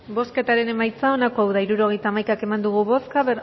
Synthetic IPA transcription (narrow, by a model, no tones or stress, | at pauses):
bo̞ske̞t̪aɾe̞ne̞majt͡sao̞nako̞awðaiɾuɾo̞ɣe̞jt̪aːmajkake̞mand̪uɣ̞uβo̞skaβe